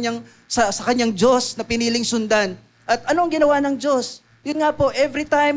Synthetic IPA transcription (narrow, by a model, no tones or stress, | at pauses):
ɲaŋ | sɐsɐkɐɲaŋd͡ʒo̞snɐpɪniːlɪŋsʊnd̪an | ʔɐt̪̚ʔɐno̞ʔɐŋɡɪnɐwanɐŋd͡ʒo̞s | jʊnŋapo̞ʔɛvɾit̪ajm